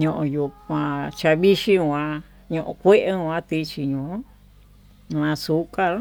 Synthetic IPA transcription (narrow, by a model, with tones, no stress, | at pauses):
ɲõ˧ʔõ˧ju˧kʷã˧t͡ʃa˧βi˦ʃi˦ã˧ | ɲõ˧ʔõ˧kʷe˦ʔe˧˦˧ã˦t̪i˦˧t͡ʃi˧ɲõ˨˦˧ | ã˧su˨˦ka˦l